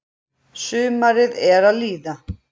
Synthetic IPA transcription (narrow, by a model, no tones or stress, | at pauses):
sʏːmaɾɪðɛɾaðliːða